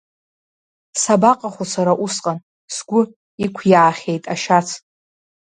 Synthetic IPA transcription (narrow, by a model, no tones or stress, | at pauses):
sabaqʼaχʷosaɾaʔusqʼan | sɡʷʊ | ikʷʰjʕaχʲe̞jtʼaʃat͡sʰ